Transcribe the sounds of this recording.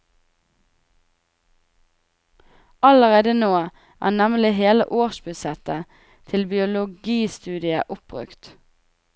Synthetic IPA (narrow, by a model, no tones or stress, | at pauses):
ʔɑləʁeːd̪ənoː | ʔæ̰ːnɛmlɪɦeːlə̰ʔoːʃbʉsɛt̪ə | t̪ʰɪlbɪʊlʊɡiːst̪ʉːd̪ɪə̰ʔʊp̚bʁʉ̰kt̪